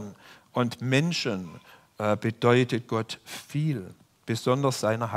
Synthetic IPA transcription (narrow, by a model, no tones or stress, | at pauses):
nʔʊntmɛnʃən | ʔb̥əd̥ɔʏtət̚ɡ̥ɔtfiːl | b̥əzɔndɐsz̥aɪnɐɦa